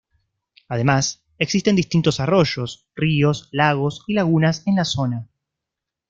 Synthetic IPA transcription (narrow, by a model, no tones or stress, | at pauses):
aðe̞mas | eksist̪e̞nd̪ist̪int̪o̞saro̞ʒo̞s | rio̞slaɣo̞silaɣunase̞nlaso̞na